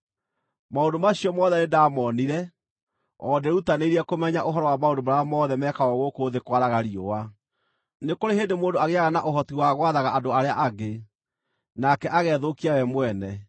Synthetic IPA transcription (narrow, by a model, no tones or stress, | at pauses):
maondomaɕiɔmɔːðɛnedaːmɔniɾɛ | ɔ̰dɛɾutaneiɾiɛkomɛɲaʔoɦɔɾɔwamaondomaɾaɔmɔːðɛmɛkaɔɣokoðekwaɾaɣaɾiowa | nekoɾeɦeːndemoːndoaɣeaɣanaʔoɦɔtiwaɣwaðaɣaʔadoaɾeaʔaɡe | nakɛʔaɣɛðokiawɛmwɛnɛ